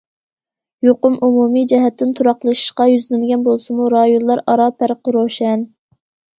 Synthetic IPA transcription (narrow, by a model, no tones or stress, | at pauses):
joqʊmʔumumid͡ʒɛɦɛt̪ʰːɪnt̪ʰuɾɑχlˠɨʃi̥ʃqɑjyzlɪnɡʲɛnbolˠsɨmuɾɑjonlˠɑɾɑɾɑpʰæɾqəɾoʃɛn